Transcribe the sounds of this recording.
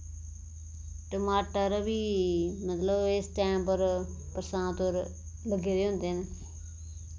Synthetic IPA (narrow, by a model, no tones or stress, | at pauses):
ʈəmaːʈəɾʋiːmət̪ləbɪsʈɛ̃ːmpəɾ | pɾəsãːt̪oɾ | ləɡeːɾeːɦʊ̃nd̪eːne